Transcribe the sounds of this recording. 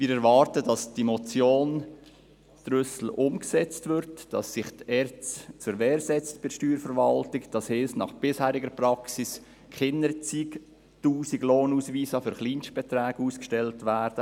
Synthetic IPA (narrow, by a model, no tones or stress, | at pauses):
mɪːɾɛɾvɑːɾtədɑsd̥imɔt͡sjoːn | d̥rʏsl̩ʔʊmksɛt͡stvʏɾtd̥ɑsːɪχtɛɾt͡st͡sʊɾʋɛːɾsɛt͡stb̥ɪʃtyːɾfəɾʋɑltɪkd̥ɑshɪːsnɑ̰χb̥ɪshæːɾɪɡəɾpɾɑksis | kχɪnəɾt͡sik | tuːsiɡloːnuːsʋiːsɑfʏɾχliːnʃtb̥ɛtɾæːɡuːskʃtɛltʋæːɾd̥ə